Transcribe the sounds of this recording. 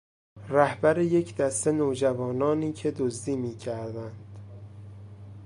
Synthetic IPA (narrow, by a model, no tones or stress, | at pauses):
ræhbæɾeje̞cʰd̪æst̪e̞noːd͡ʒævɒːnɒːniːcʰe̞d̪ozd̪iːmiːcʰæɾd̪ænd̪̥